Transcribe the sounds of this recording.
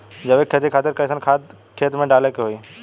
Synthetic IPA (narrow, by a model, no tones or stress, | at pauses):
d͡ʒɐbeːkʰːeːt̪ikʰaːt̪ɪɾkɐsənkʰaːt̪ | kʰeːt̪mẽɖaːlekeɦoːiː